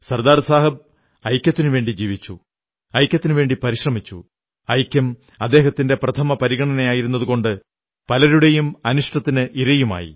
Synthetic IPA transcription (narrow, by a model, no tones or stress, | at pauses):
sɐrd̪aːɾsaːɦɐb̚ | ɐjkʲːjɐt̪ːinuʋe̞ːɳɖid͡ʑiːʋit͡ɕːu | ɐjkʲjɐt̪ːinɨʋe̞ːɳɖipɐɾiɕrɐmit͡ɕːṵ | ɐjkʲjɐm | ɐd̪ːe̞ːɦɐt̪ːinde̞prɐt̪ʰɐmɐpɐɾiɣɐɳɐnɐjaːjiɾunːɐðuɣko̞ɳɖɨ | pɐlɐɾuɽe̞jumɐnuʂʈɐt̪ːinɨʔiɾɐjuma̰ːjḭ